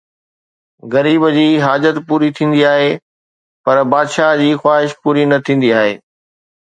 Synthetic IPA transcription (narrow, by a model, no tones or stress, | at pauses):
ɣɐɾiːbd͡ʑiːɦaːd͡ʑət̪puːɾit̪ʰĩːn̆d̪iaːɦe | pɐɾbaːd̪ʃad͡ʑiːxwaːɦɪʃpuːɾinɐt̪ʰĩːn̆d̪iaːɦḛː